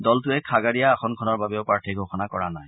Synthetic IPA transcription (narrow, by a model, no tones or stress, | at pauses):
dɔltʊɛkʰaɡaɹijaːxʰɔnkʰɔnɔɹbabɛʊpɹaɹtʰiɡʱoxɔnakɔɹanaj